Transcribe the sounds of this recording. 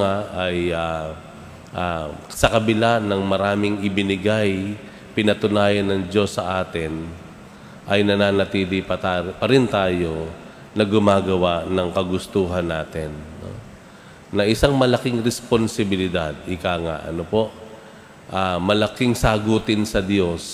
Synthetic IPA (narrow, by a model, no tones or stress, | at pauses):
aɐja | ʔasɐkɐbɪlanɐŋmɐɾaːmɪŋɪbɪnɪɡaj | pɪnɐt̪ʊnaːjɐnːɐŋd͡ʒo̞sːɐʔaːt̪ɪn | ʔɐjnɐnaːnɐt̪iːlɪpɐpɐɾɪnt̪aːjo̞ | nɐɡʊmaːɡɐwanɐŋkɐɡʊst̪uːɦɐnːaːt̪ɪnːo̰ː | ɐʔɪsaŋmɐlɐkɪŋɾɛsponsɪbɪlɪd̪ad̪̚hɪkaːŋa̰ʔɐ̰nopo̞ʔ | ʔaːmɐlɐkɪŋsaɡuːt̪ɪnsɐd̪jo̞s